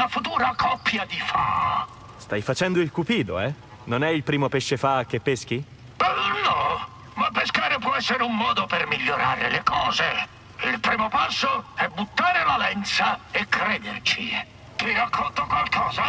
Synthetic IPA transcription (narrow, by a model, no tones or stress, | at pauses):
lafut̪uːɾakʰɔpːjad̪ifa̰ | st̪ajfat͡ʃɛnd̪oilkupiːd̪oɛ | nonɛilpɾiːmopeʃːefak̟ːepːesk̟i | bɛnːɔ | mapːeskaːɾepwɔɛsːeɾeumːɔːd̪opermiʎːoɾaːɾḛlekɔːze | ilpɾiːmopasːoɛbut̪ːaːɾelalɛnt̪saekɾɛːd̪ert͡ʃi | kirakʰːont̪okwalkʰɔːza